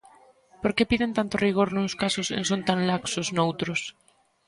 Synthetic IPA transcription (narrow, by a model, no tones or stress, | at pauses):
poɾkepiðent̪ant̪oriɣ̞oɾnũnskasosḛnsont̪anlaksoznowt̪ɾos